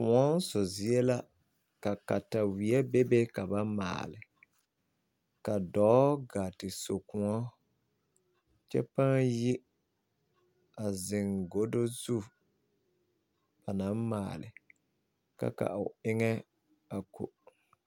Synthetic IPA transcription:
kʊ˨ɔ˦n˦sʊ˨zi˦ɛ˦la˦ | ka˨ka˨ta˨wi˨ɛ˦be˦be˦ka˨ba˦ma̰ː˨lɪ˨ | ka˨dɔː˨˦ɡa˨tɪ˨so˨kʊ˨ŋɔ˦ | t͡ʃɛ̰˦pa˦ŋji˦ | a˨zɪ˨ŋɡo˦do˦zu˦ | b̥a˨nã˨˦ma̰ː˨lɪ̰˨ | ka̰˦ka̰˨ʊ̰˨ɪ˦ŋɛ˦ | a˨ko̰˨

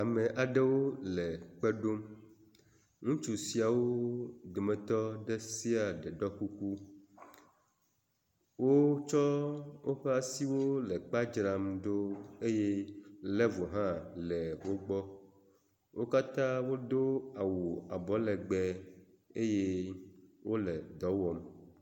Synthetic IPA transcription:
a˨mɛ̃˨ʔa˨ɖɛ˦wo˦lɛ˨k͡pɛ˦ɖo˦m | ŋũ˦t͡ʃu˨si˨a˨wo˦d̪o˨mɛ̃˨t̪ɔ˦ɖɛ˦si˦a˨ɖɛ˨ɖɔ˦ku˦ku˦ | wo˦t͡ʃɔ˦wo˦ɸɛ˦a˨si˦wo˦lɛ˨k͡pa˦d͡ʒɾa˨mɖo˦e˦je˦lɛ˦vɔ˨ɦã˦lɛ˨wo˦ɡ͡bɔ˦ | wo˦ka˦t̪ã˦wo˦d̪o˦a˨wu˨a˨bɔ˨lɛ˨ɡ͡bɛ˦ | e˦je˦ | wo˦lɛ˨d̪ɔ˨˦wɔ˨m

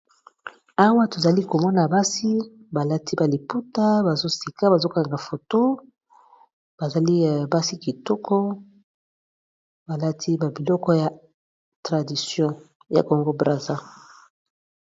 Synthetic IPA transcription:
a˦wa˦to˨za˨li˦ko˨mɔ˦na˨ba˦si˦ba˨la˦ti˦ba˨li˨pu˦ta˦ba˨zo˦si˨ka˦ba˨zo˦ka˨ŋɡa˨fo˨to˦ | b̥a˨za˨li˦˨ba˦si˦ki˨tɔ˦kʰɔ˦ | ba˨la˦tʰi˦ba˨bi˨lɔ˦kɔ˦ja˨ | tʁa˨di˨sjɔ̃˦ | ja̰˨ko˨ŋɡo˦bʁa˨za˦

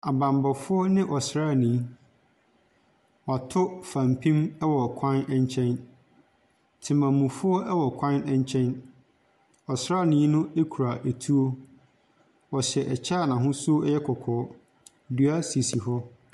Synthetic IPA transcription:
a˨bã˨mbɔ˨fʊ˦ɔ˦nɪ̃˦ʔɔ˨sɾa˦˨nĩ˨˦ | wɔ˨a˨tʰʊ˦fã˨mpʰĩ˦mɛ˦wɔ˨kʷʰã˦nɛ˦ɲ˦t͡ɕʰɛ̃˦n | tʰɪ˨mã˨mũ˨fʊ˦ɔ˦ʔɛ˦wɔ˨kʰã˦nɛ˦ɲ˦t͡ɕʰɛ̃˦n | ɔ˨sɾaː˦˨nĩ˨˦nʊ̃˦e˦kʰu˨ɾa˨ʔe˨tʰu˦o˦ | wɔ˨ɕɛ˨ʔɛ˨t͡ɕʰa˦˨nã˨ɦʊ̃˦su˦o˦ɛ˦jɛ˦kʰɔ˨kʰɔː˨˦˨ | du˦a˦si˨si˨fɔ˦

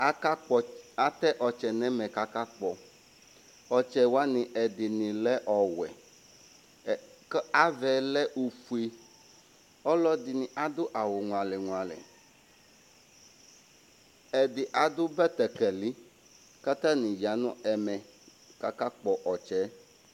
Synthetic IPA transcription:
a˨t̪ɛ˦ʔɔ˨t͡ʃɛ˨nɛ̃˦mɛ̃˨ka˦ka˦k͡pɔ˨ | ɔ˨t͡ʃɛ˨wa˦nĩ˨ʔɛ˨d̪ɪ˨nĩ˨lɛ˦ʔɔ˨wɛ̰˨ | ka˦vɛ˨lɛ˦ʔu˨fu˦i˦ | ɔ˦lɔ˦d̪ɪ˨nĩ˨ʔa˨d̪ʊ˦ʔa˨wo˨ŋũ˨a˨lɛ˨ŋũ˨a˨lɛ̰˨ | ɛ˨d̪ɪ˨ʔa˨d̪ʊ˦bɛ˦t̪ɛ˨kɛ˨li˦ | ka˦t̪a˦nĩ˨d͡ʒa˨nũ˦ɛ˨mɛ̃˨ | ka˦ka˦k͡pɔ˨ʔɔ˨t͡ʃɛ˨˦

